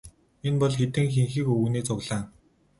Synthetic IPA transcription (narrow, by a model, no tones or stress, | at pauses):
enpɔɮxet̪ɘ̆ŋxiŋxiːkɵwniːt͡sʰʊɣɮaːn